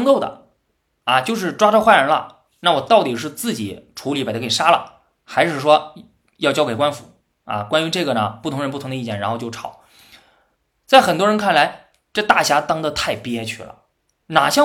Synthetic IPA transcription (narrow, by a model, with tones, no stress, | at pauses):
ŋk̪o˥˩d̪ə̰˩ | a˧t͡ɕjo˥˧ʊʂ̬ɻ̩˥˩ʈ͡ʂwa˥ʈ͡ʂə˥˧xwa˥˩ɻə˧˥nlɐ̰˧ | na˥˩wɔ˨˩t̪ɑ˥˩ʊt̪i˨˩ʂɻ̩˥˧t͡sɹ̩˥˩t͡ɕi˨˩˦ʈ͡ʂʰu˧˥li˧˥˩p̪ʰːkʰʂa˥lə̰˨ | xa˧˥ɪʂɻ̩˥˩ʂwɔ˥ | jɑ˥˧ʊt͡ɕjɑ˥ʊke˨˩ɪkwa˥nfu˧˩˥ | a̰˧kwa˥ny˧˥ʈ͡ʂɤ˥˩ɡə˩nə˩pu˥˩ʊ˧˥ŋɻə˧˥npu˥˩tʰʊ˧˥ŋd̪ə˧i˥˧t͡ɕjɛ˥˩nɻa˧˥nxo˥˧t͡ɕo˥˩ɑ˨˩˦ʊ | t͡sa˥˩ɪxə˨˩nt̪wɔ˥ɻə˧˥nkʰa˥˩nla˧˥ɪ | ʈ͡ʂɤ˥˧t̪a˥˩ɕja˧˥t̪ɑ˥ŋd̪ə˧t̪ʰa˥˧ɪpi˥˧ɛ˥t͡ɕʰy˥˩lə̰˩ | na˨˩ɕjɑ˥˧